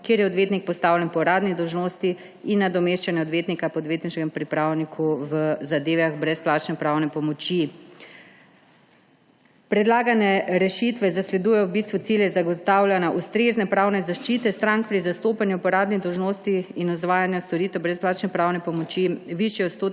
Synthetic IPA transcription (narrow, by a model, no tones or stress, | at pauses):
keːɾjɛɔd̪ʋeːt̪nik̚pɔst̪aːwlʲjɛnpɔɾaːd̪nid̪ɔwʒnoːst̪i | inːad̪ɔmeʃt͡ʃanjɛɔd̪ʋeːt̪nikapɔɔːd̪ʋeːt̪niʃkɛmpɾipɾaːwnikʰuʋəzad̪eːʋaɣbɾɛsplaːt͡ʃnɛpɾaːwnɛpɔmɔt͡ʃi | pɾɛd̪laːɡanɛɾɛʃit̪ʋɛzaslɛd̪ujɛjɔwbist̪ʋut̪siljɛzaɡɔt̪awlʲjanaʔust̪ɾeznɛpɾaːwnɛzaʃt͡ʃiːt̪ɛst̪ɾaŋk̚pɾizast̪oːpanjupɔɾaːd̪nid̪ɔwʒnoːst̪iinɔzʋaːjanjɔst̪ɔɾiːt̪ɛwbɾɛsplaːt͡ʃnɛpɾawnɛpɔmɔt͡ʃiʋiʃjɛot̪st̪oːt̪